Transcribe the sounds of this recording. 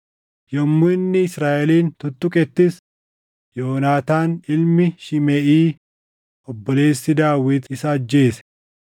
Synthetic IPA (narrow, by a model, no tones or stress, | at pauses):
jɐmːʊɪnːɪɪsɾaːʔɛliːnt̪ʊt̪ːʊkʼɛt̪ːɪs | joːnaːt̪aːnɪlmɪʃɪmɛʔiː | ɔbːɔle̞ːsːɪd̪aːwɪt̪ɪsɐːd͡ʒːe̞ːsɛ̥